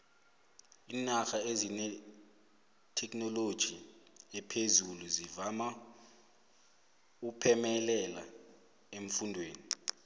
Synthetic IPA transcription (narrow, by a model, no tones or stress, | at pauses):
iːnaxaezinɛ | tʰɛknɔlod̥ʒ̥ʱiɛpʰezuluzivama | ukpʰɛmɛlɛla | eɱ̩fundʱweːni